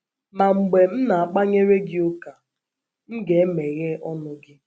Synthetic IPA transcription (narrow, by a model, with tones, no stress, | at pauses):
ma˨ŋ͡m̩˨ɡ͡be˨m̩˦na˨a˨k͡pa˦ɲe˦ɾe˦ɡɪ˦ʊ˦ka˨ | m̩˦ɡe˨e˦me˨ɣe˦ɔ˦nʊ˨ɡɪ˦